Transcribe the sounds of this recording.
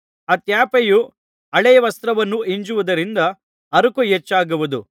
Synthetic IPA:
ɐt̪jaːpeju | ɐɭɛjɐʋɐst̪ɾɐʋɐnːuiɲd͡ʒuʋud̪ɐɾind̪ɐ | ɐɾukujet͡ʃːaːɡuʋud̪u

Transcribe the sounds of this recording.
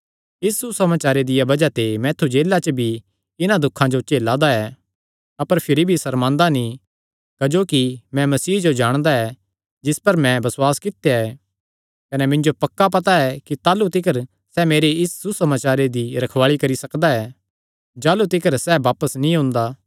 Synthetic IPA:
ɪssusɐmaːt͡ʃaːɾed̪ɪjabɐd͡ʒat̪emɛ̃ːt̪ʰud͡ʒeːlːat͡ʃəbʱi | ɪnãd̪ʊkʰːãd͡ʒot͡ʃeːlad̪aɛ | ɐpəɾpʰɪɾibʱisɐɾmãːnd̪anĩ | kɐd͡ʒoːkimɛ̃mɐsiːd͡ʒod͡ʒaːɽ̃d̪aɛ | d͡ʒɪspɐɾmɛ̃bɐswaːskɪt̪ːjaɛ | kɐnɛmɪ̃nd͡ʒopɐkːap̬ɐt̪aɛkit̪aːlut̪ɪkʰəɾ | sɛmeːɾeɪsːusɐmaːt͡ʃaːɾed̪iɾɐkʰʋaːɭikɐɾisɐkd̪aɛ | d͡ʒaːlut̪ɪkʰəɾsɛʋaːpəsnĩɦʊ̃nd̪aː

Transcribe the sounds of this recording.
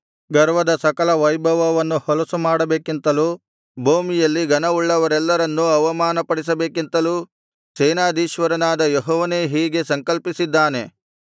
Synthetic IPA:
ɡɐɾʋɐd̪ɐsɐkɐlɐʋɐjbʱɐʋɐʋɐnːuhɔlɐsumaːɽɐbe̞ːkint̪ɐluː | bʱoːmijɐlːiɡɐnɐuɭːɐʋɐɾɛlːɐɾɐnːuɐʋɐmaːnɐpɐɽis̬ɐbe̞ːkint̪ɐluː | sɛːnaːd̪iːʃʋɐɾɐnaːd̪ɐjeɦɔːʋɐneːɦiːɡe̞sɐŋkɐlpisid̪ːaːne̞

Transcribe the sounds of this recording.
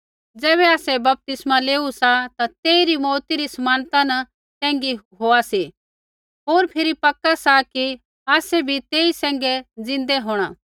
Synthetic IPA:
d͡zɛːβɛaːsɛbɐp̚t̪ɪsmaleːusat̪at̪eːiɾimɔːɾt̪iɾisɐmaːnt̪anɐ | t̪ɛ̃ːŋɡiɦoːasi | ɦoːɾpʰɪɾipɐkːasaki | aːsɛbʱit̪eːisɛ̃ːŋɡɛd͡zɪ̃nd̪ɛɦoːɽ̃ãː

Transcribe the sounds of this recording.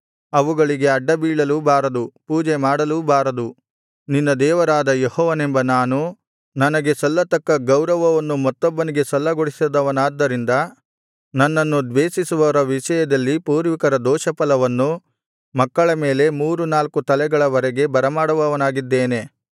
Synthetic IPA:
ɐʋuɡɐɭiɡe̞ɐɖːɐbiːɭɐlubaːɾɐd̪upuːd͡ʒɛmaːɽɐlubaːɾɐd̪u | ninːɐd̪ɛːʋɐɾaːd̪ɐjehɔːʋɐnembɐnaːnu | nɐnɐɡe̞sɐlːɐt̪ɐkːɐɡɐwɾɐʋɐʋɐnːumɐt̪ːɔbːɐniɡe̞sɐlːɐɡoɽisd̪ɐʋɐnaːd̪ːɐɾind̪ɐ | nɐnːɐnːud̪ʋeːsisuʋɐɾɐʋiʃɐjɐd̪ɐlːipuːɾʋikɐɾɐd̪ɔːʃɐpɐlɐʋɐnːu | mɐkːɐɭɐme̞ːle̞muːɾunaːlkut̪ɐlɛɡɐɭɐʋɐɾɛɡe̞bɐɾɐmaːɽɐʋɐʋɐnaːɡid̪ːeːne̞

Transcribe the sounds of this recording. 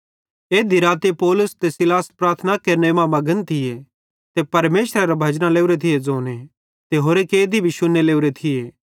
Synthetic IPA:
eːd̪ʱiɾaːt̪epɔːlʊst̪esɪlaːspɾaːɾt̪ʰnakeːɾnemãmɐɡənt̪ʰɪje | t̪epɐɾmeːʃɾeɾabʱɐd͡ʒnaleːuɾet̪ʰɪjed͡zoːne | t̪eɦoːɾekeːd̪ibʱiʃʊnːeleːuɾet̪ʰɪjeː

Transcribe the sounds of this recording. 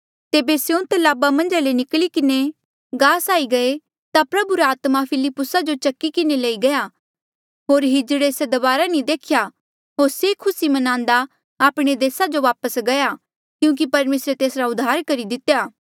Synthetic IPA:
t̪eːbesjeũt̪ɐlaːbamɐ̃nd͡ʒalenɪklikɪne | ɡaːsaːiɡɐe | t̪apɾɐbuɾeaːt̪mapʰɪlɪpːʊsad͡ʒot͡ʃɐkːikɪnelɐiɡɐja | ɦoːɾɦɪd͡ʒɽeːsed̪ɐbaːɾanĩd̪eːkʰja | ɦoːɾsekʰʊsimɐnãːnd̪aː | pɽ̃ed̪eːsad͡ʒoʋaːpəsɡɐja | kjũːk̬ipɐɾmeːsɾet̪eːsɾaʊd̪ʱːaːɾkɐɾid̪ɪt̪ːjaː

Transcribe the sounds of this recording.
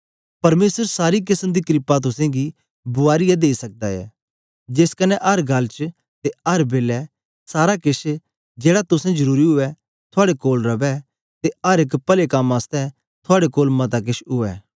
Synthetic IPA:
pɐɾmeːsəɾsaːɾik̬ɪsəmd̪ikɾɪpat̪̬ʊsɛ̃ɡi | bʊaːɾɪjad̪eːisɐk̚d̪aɛ̰ː | d͡ʒɪskɐnːɛʔɐɾɡɐlt͡ʃ | t̪eɐɾbeːlɛ | saːɾakɪʃ | d͡ʒeːɽat̪ʊsɛ̃d͡ʒɐɾuːɾiɦʊɛ | t̪ʰʊaːɽekoːlɾɐʋɛ | t̪eɐɾɪkpɐlekɐmaːst̪ɛ | t̪ʰʊaːɽekoːlmɐt̪ak̬ɪʃɦʊɛ̰ː

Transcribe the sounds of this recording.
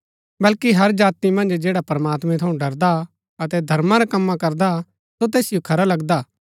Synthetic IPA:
bɐlkiɦɐɾd͡ʒaːt̪imɐ̃nd͡ʒd͡ʒeːɽapɾɐmaːt̪mɛ̃t̪ʰɐũɖɐɾd̪a | ɐt̪ɛd̪ʱɐɾmãɾakɐmːãkɐɾd̪a | sot̪̬ɛːsɪjokʰɐɾalɐɡd̪aː

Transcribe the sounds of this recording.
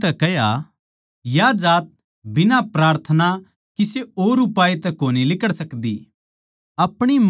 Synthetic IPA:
t̪ɛkɛja | jad͡ʒaːt̪̚ | bɪnapɾaːɾt̪ʰəna | kiseoːɾʊpaːet̪ɛkoːnilɪkəɽsɐkd̪ḭ | ɐpɽ̃i

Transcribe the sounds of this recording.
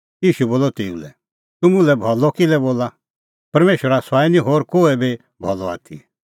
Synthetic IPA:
iːʃuboːlɔt̪eːṵ̃lɛ̰ | t̪ʊmũlɛbʱɔlɔkɪlɛboːla | pɐɾmeːʃwəɾasaːinĩɦoːɾkoːɛbe | bʱɔlɔa̰ːt̪ʰḭ

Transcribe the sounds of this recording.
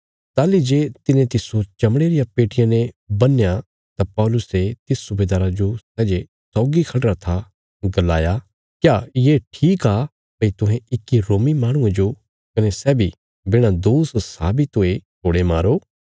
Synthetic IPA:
t̪aːlid͡ʒeːt̪ɪnẽt̪ɪsot͡ʃɐmɽ̃eːɾɪjapeːʈɪjãnẽbɐnːja | t̪apɔːlʊset̪ɪssʊbeːd̪aːɾad͡ʒosɛːd͡ʒe | sɔːɡikʰɐɳɖɾat̪ʰa | ɡɐlaːja | kjaːjeːʈʰiːka | pɐit̪ʊɦɛ̃ɪkːiɾoːmimaːɽ̃ʊ̃ẽd͡ʒo | kɐnesɛːbʱi | bɪɽ̃ad̪oːssa̰ːbʱit̪oet̪ʰoːɽemaːɾoː

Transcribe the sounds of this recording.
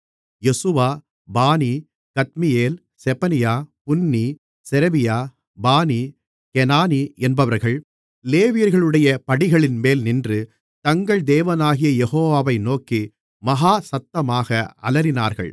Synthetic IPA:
jɛsɯʋaː | baːni | kɐt̪̚mɪjeːl | sɛpɐnɪjaːpʊnːi | sɛɾɛʋɪjaː | baːni | kɛnaːniʔɛnbɐʋɐɾɣɐɭ | leːʋɪjɐɾɣɐɭɯɽɐjɐpɐɽɪɣɐɭɪnmeːlnɪndrɯ | t̪ɐŋɡɐɭd̪eːʋɐnaːɣɪjɐjɛɣoːʋaːʋɐɪnoːki | mɐɦaːsɐt̪ːɐmaːɣɐʔɐ̰lɐɾɪnaːɾɣɐ̰ɭ

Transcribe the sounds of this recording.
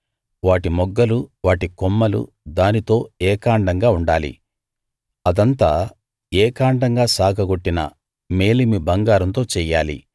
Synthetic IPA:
ʋaːʈimɔɡːɐluʋaːʈikɔmːɐlṵ | d̪aːnit̪o̞ːɛːkaːɳɖɐŋɡaːuɳɖaːlḭ | ɐd̪ɐnt̪aː | ɛːkaːɳɖɐŋɡaːsaːkʰɐɡoʈːinɐ̰ | me̞ːlimibɐŋɡaːɾɐnt̪o̞ːt͡ʃɛːjaːlḭ

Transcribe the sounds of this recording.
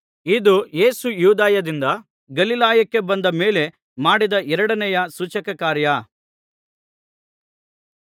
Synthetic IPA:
id̪uje̞ːsujuːd̪aːjɐd̪ind̪ɐ | ɡɐlilaːjɐkːe̞bɐnd̪ɐme̞ːle̞ | maːɽid̪ɐʔɛɾɐɽɐnɛjɐsut͡ʃɐkɐkaːɾjɐ

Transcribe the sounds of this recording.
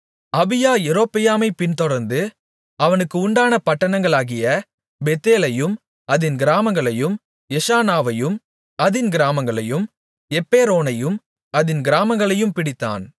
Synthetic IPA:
ɐbɪjaːɛɾoːpːɪjaːmɐɪpɪnt̪ɔɽɐɾnd̪ɯ | ɐʋɐnɯkːɯʊɳɖaːnɐpɐʈːɐɳɐŋɡɐɭaːɣɪjɐ | bɛt̪ːeːlɐjɯm | ɐðɪnɡɪɾaːmɐŋɡɐɭɐjɯm | ɛʂaːnaːʋɐjɯm | ɐðɪnɡɪɾaːmɐŋɡɐɭɐjɯm | ɛpːeːɾoːnɐjɯm | ɐðɪnɡɪɾaːmɐŋɡɐɭɐjɯmpɪɽɪt̪ːa̰ːn

